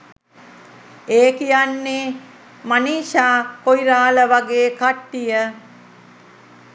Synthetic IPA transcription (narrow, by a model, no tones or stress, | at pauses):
eːkijanːe | maniːʃaːkojɾaːləʋaɡeːkaʈːijə